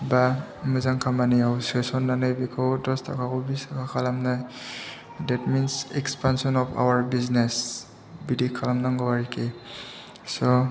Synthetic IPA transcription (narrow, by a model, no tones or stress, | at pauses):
ba | mɯzaŋkʰamaniawsesɔnːanajbikʰawdɔstʰa̰kʰakɔbistʰakʰakʰalamnaj | dɛtminsɛkspansɔnɔpʰa̰waɹbiznes | bidikʰːalamnaŋɡɔwaɹike | sɔ